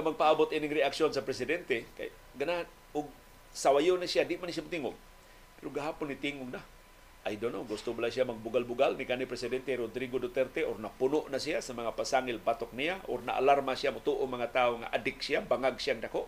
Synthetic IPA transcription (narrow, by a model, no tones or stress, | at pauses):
ŋamaɡ̚paʔabʊt̪inɪŋɾɪaksjonsapɾɛsɪd̪ɛnt̪eka̰j | ɡanan | ʊɡ̚ | sawajonasijadɪʔmansijamʊt̪iŋʊɡ | pɛɾoɡaɦaːpʊnːit̪iŋʊɡna | ʔajd̪onoɡʊst̪ʊbalasijamaɡ̚bʊɡalbʊɡalnikanipɾɛsɪdɛnt̪eɾod̪ɾiɡodot̪ɛɾt̪eʔornapʊnʊʔnasijasamaŋapasaŋɪlpat̪ok̚nijaʔorna̰ʔa̰laɾmasijamʊt̪uʔomaŋat̪aoŋa̰ʔadɪk̚siabaŋaɡsiaŋdakoʔ